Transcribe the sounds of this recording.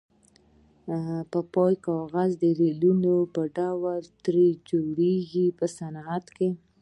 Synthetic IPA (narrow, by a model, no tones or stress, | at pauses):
pəpɑjkɑɣazd̪əɾelunopəɖawəlt̪ɾed͡ʒoɽeɡipəsanat̪ke